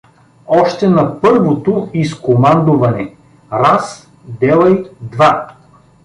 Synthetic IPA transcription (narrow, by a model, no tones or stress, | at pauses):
ɔʃt̪ɛnɐpɤɾvot̪oiskomand̪ʊvɐnɛ | ɾas | d̪ɛlˠɐjd̪va